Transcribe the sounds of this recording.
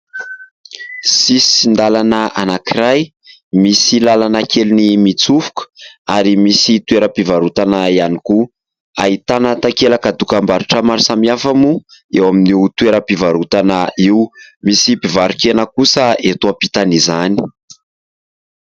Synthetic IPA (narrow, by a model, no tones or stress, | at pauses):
sisi̥ind̪alanəanakiɾaj | misilalanəkelinimit͡sufu̥kə̥aɾimisit̪ueɾəpivaɾut̪anaianiku | a̰it̪anat̪akelakad̪ukambaɾiʈ͡ʂəmaɾisamiafamuewaminiut̪ueɾəpivaɾut̪anəiwmisipivaɾikenəkusəet̪uapit̪anizani̥